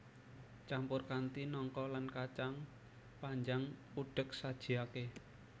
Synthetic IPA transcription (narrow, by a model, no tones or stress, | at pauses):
t͡ʃampʊrkant̪inɔŋkɔlankat͡ʃaŋ | paɲd͡ʒaŋpuɖ̥ək̚sad̥ʒ̥i̤ake